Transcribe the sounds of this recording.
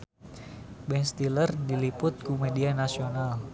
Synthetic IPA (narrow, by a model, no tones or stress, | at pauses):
bɛnst̪ilərdilipʊt̪̚kumedianasional